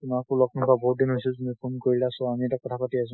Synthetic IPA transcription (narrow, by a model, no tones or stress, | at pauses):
tumakulɔk̚nɔŋkabɔɦut̚dinɦojsiltumipʰonkoɹilasɔamiɛtakɔtʰapatias̬ʊ̃